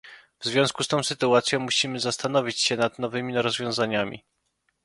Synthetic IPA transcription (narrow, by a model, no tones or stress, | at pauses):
vzvʲjɔ̃skust̪ɔ̃w̃sɘt̪uat̪sʲjɔ̃w̃muɕimɘzast̪anɔvʲit͡ɕɕɛnad̪nɔvɘmʲiɾɔzvʲjɔ̃w̃zaɲamʲḭ